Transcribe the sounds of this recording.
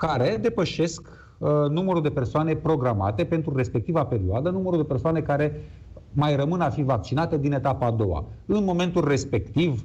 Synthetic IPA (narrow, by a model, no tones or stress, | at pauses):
kaɾe̞d̪e̞pəʃe̞sk | numəɾud̪e̞pe̞rsoane̞pɾo̞ɡɾama̰t̪e̞pe̞nt̪ɾuɾe̞spe̞k̚t̪ivape̞ɾioad̪ənuməɾud̪e̞pe̞rsoane̞kaɾe̞ | majrəmɨnafivak̚t͡ʃinat̪ed̪ine̞t̪apaːd̪o̞wa̰ɨnmo̞me̞nt̪ulre̞spe̞kt̪iv